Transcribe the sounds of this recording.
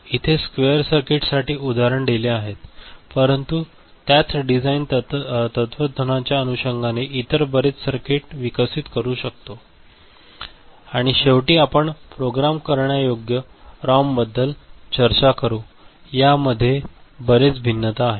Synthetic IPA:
it̪ʰeskʋejəɾsəɾkeʈsaʈiːʔud̪ʱaɾəɳɖeleaɦet̪pəɾənt̪u | t̪jat͡sɖid͡zaint̪ət̪ʋəd̪ʱənat͡ɕjaənuɕəŋɡʱaneʔit̪əɾbəɾet͡ssəɾkeʈʋikəsiːt̪kəɾuːɕək̚t̪o | aɽ̃iɕeʋʈiːapəɳpɾoɡɾamkəɾɳjajoɡjəɾambəd̪ːəlt͡ɕəɾt͡ɕakəɾuː | jaməd̪ʱːjebəɾet͡sbʱinːət̪aːɦe

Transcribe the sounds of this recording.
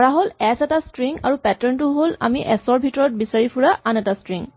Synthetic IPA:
ɔɹaɦolɛsɛtastɹiŋa̰ɹupɛtɔɹntʊɦola̰miʔɛsɔɹbʱitɔɹɔt̚bisaɹipʰuɹaʔanɛtastɹiŋ

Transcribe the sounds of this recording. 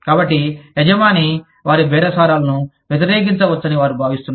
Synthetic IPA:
kaːbɐʈːiɛd͡ʒɐmaːni | ʋaːɾibʱɛːɾɐsaːɾaːlɐnu | ʋjɐt̪̬iɾeːk̬int͡ʃɐʋɐt͡ʃːɐniʋaːɾubʱaːʋist̪unːa

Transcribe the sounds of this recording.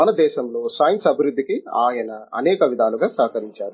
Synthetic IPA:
mɐnɐd̪ɛːʃɐmlo̞ːsaːjɐnsɐbʱiɾud̪ʱːikiaːjɐnɐɐ̰nɛːkɐʋid̪ʱaːluɡaːsɐːkɐɾiɲt͡ʃaːɾu

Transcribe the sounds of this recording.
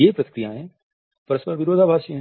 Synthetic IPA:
epɾɐt̪kɾijãɦɛ̃ | pɐɾəspɐɾʋɪɾoːd̪ʱaːbʱaːʃɦɛ̃

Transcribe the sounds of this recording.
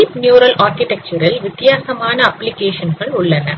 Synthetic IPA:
ipnjuːɾɐlaːɾkɪʈɛk̚t͡ʃɐɾɐlʋɪt̪jaːsɐmaːnɐɐplɪkeːʂɐnɣɐɭʊɭːɐnɐ

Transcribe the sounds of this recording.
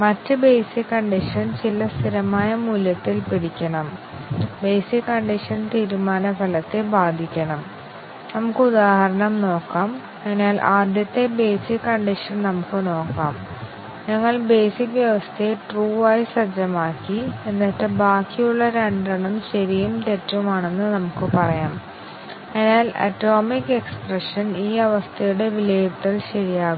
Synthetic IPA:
mɐtːɨbejsikːɐɳɖiʂɐnt͡ɕilɐst̪ʰiɾɐmaːjɐmuljɐt̪ːilpiɽikʲːɐɳɐm | be̞ːsikːɐɳɖiʂɐnt̪iːɾumaːnɐpɐlɐt̪ːe̞baːd̪ʱikʲːɐɳɐm | nɐmukːɨud̪aːhɐɾɐɳɐmno̞ːkːaːm | enaːlʔaːd̪jɐt̪ːe̞be̞ːsikːɐɳɖiʂɐnnɐmukːɨno̞ːkːaːm | ɲɐŋːɐɭbe̞ːsikːʋjɐʋɐst̪ʰeeʈruːaːjisɐd͡ʑɐmaːkːienːɐtːebaːkːijuɭːɐɾeɳɖɐɳɐmɕɐɾijumtetːumaːɳe̞nːɨnɐmukːɨpɐrɐjaːm | eːnaːlɐ̰tːo̞ːmikːe̞ksprɐʂɐniːɐʋɐst̪ʰɐjuɽe̞ʋileːt̪ːɐlɕɐɻijaː

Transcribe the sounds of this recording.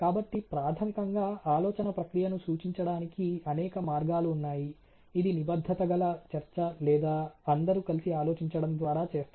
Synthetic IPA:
kaːbɐʈːipɾaːt̪ʰɐmikɐŋɡaːʔaːlɔːt͡ʃɐnɐpɾɐkɾijɐnusuːt͡ʃiɲt͡ʃɐɽaːnikiɐnɛːkɐmaːɾɡaːluːnːaːji | id̪inibɐd̪ʱːɐt̪ɐɡɐlɐt͡ʃɐɾt͡ʃɐlɛːd̪aːɐnd̪ɐɾukɐlisiaːloːt͡ʃiɲt͡ʃɐɽɐmd̪ʋaːɾaːt͡ʃe̞ːst̪u

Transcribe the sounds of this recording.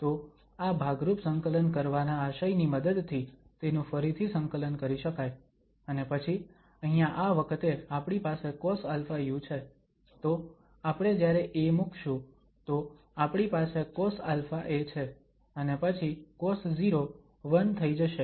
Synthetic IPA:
t̪o | abʱaɡɾupsəŋkələnkəɾʋanaːʃajniməd̪əd̪t̪ʰit̪enũfəɾit̪ʰisəŋkələnkəɾiʃəkaj | ənepət͡ʃʰi | əɦĩjãʔaʋəkʰət̪eapɳ̃ipasekɔsalfaijũt͡ʃʰe | t̪o | apɽ̃ed͡ʒjaɾeʔemukʰʃũ | t̪o | apɽ̃ipasekosalfaʔet͡ʃʰe | ənepət͡ʃʰikosziɾo | ʋənt̪ʰəid͡ʒəʃe

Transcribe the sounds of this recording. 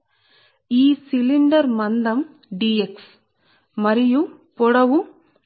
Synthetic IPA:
iːsiliɳɖɐɾmɐnd̪ɐm | ɖieks | mɐɾiju | pɔɽɐʋu

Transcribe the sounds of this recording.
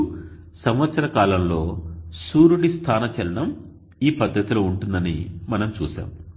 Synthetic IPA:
sɐmʋɐt̪sɐɾɐkaːlɐmlo̞ːsuːɾuɽist̪ʰaːnɐt͡ʃɛlɐɽɐm | iːpɐd̪ʱːɐt̪iloːuɳʈund̪ɐnimɐnɐmt͡ʃuːʃa̰ːm

